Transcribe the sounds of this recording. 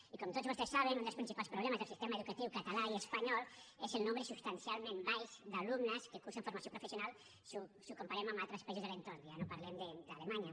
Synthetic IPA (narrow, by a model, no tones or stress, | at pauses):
ikɔmt̪otd͡zβost̪esːaβenund̪əlspɾinsipalˠspɾuβlɛmɐzðelˠsist̪emaeðukət̪iwkat̪alaiespaɲɔlˠezelˠnõmbɾesupst̪ansialˠmembajzd̪alumnəskekusəɱfuɾmasiopɾufesiunalˠ | susukumpaɾɛmamalˠt̪ɾəspaizuzðelent̪oɾnjanopaɾlɛmd̪əd̪alemaɲa